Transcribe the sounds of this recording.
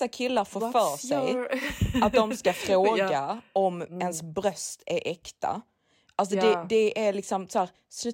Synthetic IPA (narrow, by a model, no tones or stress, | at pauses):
akʰɪlːaɾfofœːʂɛj | at̪̚d̪ɔmskafɾoːɡɡaɔmɛnsbɾœst̪ʰæɾʔɛkt̪ʰa̰ | ʔals̬ɔd̪ɛd̪ɛʔæɾlɪksɔmsɔhæːɾ | sʉ